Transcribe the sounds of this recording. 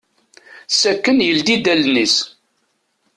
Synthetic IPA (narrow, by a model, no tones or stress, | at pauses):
sækːənjəld̪id̪ælnis